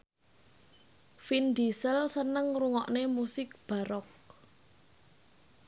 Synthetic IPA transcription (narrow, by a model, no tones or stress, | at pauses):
find̪isəlsənəŋruŋɔʔnemusɪk̚b̥a̤ɾɔk̚